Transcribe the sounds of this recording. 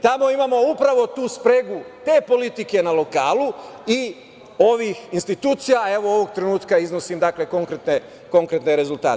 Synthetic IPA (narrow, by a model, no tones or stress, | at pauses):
t̪amo̞imamo̞upɾaʋo̞t̪uːspɾeɡut̪e̞ːpo̞lit̪ike̞nalo̞ka̰ːlui | o̞ʋixinst̪it̪uːt̪sijae̞ʋo̞oʋoɡ̚t̪ɾe̞nuːt̪kaizno̞simd̪akle̞ko̞ŋkɾet̪ne | ko̞ŋkɾe̞t̪neɾe̞zult̪a̰ːt̪